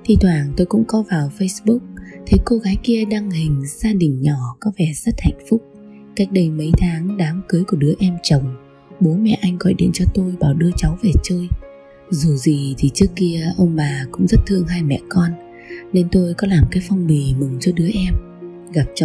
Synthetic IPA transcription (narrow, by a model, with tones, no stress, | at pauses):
t̪ʰi˧˩t̪ʰwaː˨˩ŋt̪o˧jkʊ̰˧˥ŋ͡mkɔ˨˦vaː˨˩wfə˧jsɓʊ˦˥k͡p̚t̪ʰe˨˦ko˧ɣaː˨˦jki˧əɗaː˧ŋhï˨˩ŋ̟zaː˧ɗï˨˩ŋ̟ɲɔ˧˩kɔ˨˦vɛ˧˩z̥ə˦˥t̚ha̰˧˨jŋ̟fʊ˦˥k͡p̚ | ka˦˥jk̟̚ɗə˧jmə˨˦jt̪ʰaː˨˦ŋɗaː˨˦mkɨ˨˦jku˧˩əɗɨ˨˦əʔɛ˧mt͡ɕə˨˩wŋ͡m | ɓo˨˦mɛ̰˧˨ʔa˧jŋ̟ɣɔ̰˧˨jɗḭ˧˨ənt͡ɕɔ˧t̪o˧jɓaː˨˩wɗɨ˧ət͡ɕa˨˦wve˨˩t͡ɕəː˧j | zu˨˩zi˨˩t̪ʰi˨˩t͡ɕɨ˦˥əkːi˧əʔə˧wŋ͡mɓaː˨˩kʊ̰˧˥ŋ͡mzə˦˥t̚t̪ʰɨ˧əŋɦaː˧jmɛ̰˧˨kɔ˧n | ne˧nt̪o˧jkɔ˨˦laː˨˩mkaː˨˦jfa˧wŋ͡mɓi˨˩mɨ˨˩ŋt͡ɕɔ˧ɗɨ˨˦əʔɛ˧m | ɣa˨˩p̚t͡ɕə˨